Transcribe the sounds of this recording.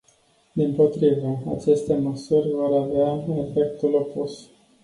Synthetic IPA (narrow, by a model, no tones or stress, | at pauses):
d̪impo̞t̪ɾivəa̰t͡ʃe̞st̪e̞məsurʲvo̞ɾaveae̞fe̞k̚t̪ulo̞pus